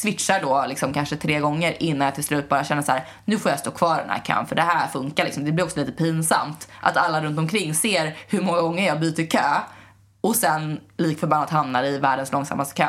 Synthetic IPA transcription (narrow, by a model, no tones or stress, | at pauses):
svɪt̪ʂaɖɔlɪksɔmkʰanʂət̪ʰɾeːɡɔŋːəɾʔɪnːanjat̪ʰɪlst̪lɾʉ̟t̪bɑːɾaɕɛnːəʂaæːɾ | nʉ̟ːfoːjast̪oːkʰvɑːɖɛ̰nhæ̰ːɾkʰœ̰ːnfœɖɛhæɾfɵŋkaɾlɪksɔmd̪ɛblɪɾɔksɔliːt̪əpʰinsa̰mt̪ʔa̰t̪alːaɾɵnt̪ɔmkʰɾɪŋːseːɾhɵɾmɔŋːaɡɔŋːəɾjɑːɡbyːt̪əɾkʰøː | ɔsɛn | liːkfœɾbanːat̪hamnaɾɪvæːɖənslɔŋsa̰mːast̪ə̥kʰø̰ː